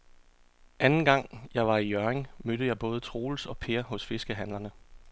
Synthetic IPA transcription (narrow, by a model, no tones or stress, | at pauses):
ʔænn̩ɡ̥ɑ̈ŋ̰jɑ̈ɪʋɑ̈ijœɐeŋmød̥əjɑ̈ɪb̥ɔ̽ːð̞ˠət͡sʰʁo̝̰ːlsɒ̽pʰe̝ɐɦɔ̽sfe̝sɡ̥əɦænlɐnə